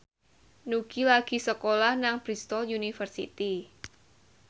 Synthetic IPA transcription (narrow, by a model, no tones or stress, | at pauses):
nukilaɡ̥i̤səkolahnaŋb̥ɾist̪ɔljunifərsḭt̪i